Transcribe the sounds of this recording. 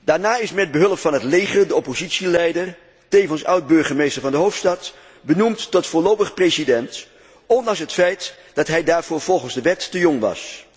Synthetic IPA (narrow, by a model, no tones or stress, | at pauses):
daːɹnaːɪsmɛd̚bəɦɵlˠəpfɑnɦətlejχəndəɔpozitsilɛjdər | tejvənsʌwd̚bɵɹχəmejstəɹvɑndəɦowftstɑt | bənumtːɔtfoːlowpəχpresidɛnt | ɔndɑŋsɦətfɛjt | d̥ɑtɦɛjdaːɹv̥ʊːɹv̥ɔlˠχənzdəʋɛtːəjoŋʋɑ̰s